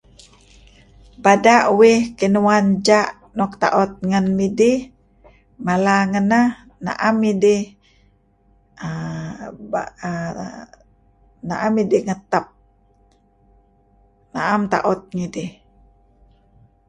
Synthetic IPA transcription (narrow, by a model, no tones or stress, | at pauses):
badaʔwɪhkinuwand͡ʒaʔ | nɔk̚t̪a̰ʔɔt̪̚ŋənmidih | malaŋəna | na̰ʔamidih | b | na̰ʔamidihŋət̪əp̚ | na̰ʔamt̪a̰ʔɔt̪̚ŋidih